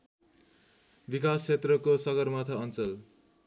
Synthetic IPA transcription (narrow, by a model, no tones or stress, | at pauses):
bikast͡sʰet̪rʌkosʌɡʌrmat̪ʰʌʌnt͡sʌl